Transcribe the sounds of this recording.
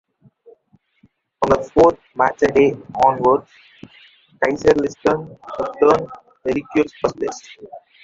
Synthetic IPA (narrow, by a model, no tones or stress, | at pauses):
ɔ̃ːnd̪əfoːɾt̪̚mæt͡ʃəɖeːɔ̃ːnʋəɖs | kaɪsəɾlɪsʈə̃nəʈəːn | ʋeɾikjuɾspʌslḛs